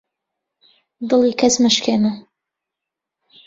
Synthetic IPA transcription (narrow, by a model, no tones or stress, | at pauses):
d̪ɨlˠiːkʰɐsməʃkʰeːnɐ